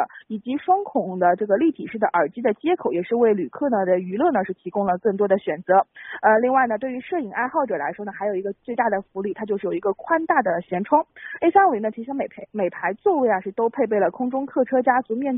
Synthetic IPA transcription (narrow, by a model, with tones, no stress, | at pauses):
i˨˩t͡ɕi˧˥ʂwɑ˥ŋkʰʊ˨˩ŋd̪ə˦ʈ͡ʂɤ˥˩ɡə˩li˥˩t̪ʰi˨˩ʂɻ̩˥˩d̪ə˩ʔə˞˨˩t͡ɕi˥d̪ə˨t͡ɕjɛ˥kʰo˨˩ʊjɛ˨˩ʂɻ̩˥˧we˥˩ɪly˨˩kʰɤ˥˩nə˩d̪ə˩y˧˥lɤ˥˩nə˩ʂɻ̩˥˩t̪ʰi˧˥kʊ˥ŋlə˨kɤ˥˩ŋt̪wɔ˥d̪ə˨˩ɕɥɛ˨˩nt͡sɤ˧˥ə˧li˥˧ŋwa˥˩ɪnə˩t̪we˥˩ɪy˧˥ʂɤ˥˩i˨˩ŋa˥˧ɪxɑ˥˩ʊʈ͡ʂɤ˨˩la̰˧˥ɪʂwɔ˥nə˩xa˧˥ɪjo˨˩ʊi˧˥ɡə˧t͡swe˥˧t̪a˥˩d̪ə˩fu˧˥ly˥˩t̪ʰa˥t͡ɕjo˥˧ʊʂ̩ɻ̩˥˩ji˧˥ɡə˧kʰwa˥nt̪a˥˩d̪ə˩ɕjɛ˧˥nʈ͡ʂʰwɑ˥ŋe˥ɪsa˥ŋwe˨˩ɪnə˩t͡ɕʰi˧˥ʂɑ˥ŋme˨˩pʰme˨˩ɪpʰa˧˥ɪt͡swɔ˥˧we˥˩ɪa˩ʂɻ̩˥˩t̪o˥ʊpʰe˥˧ɪp̬e˥˩ɪlə˩kʰʊ˥ŋʈ͡ʂʊ˥ŋkʰɤ˥˩ʈ͡ʂʰɤ˥t͡ɕja˥t͡su˧˥mjɛ˥˩n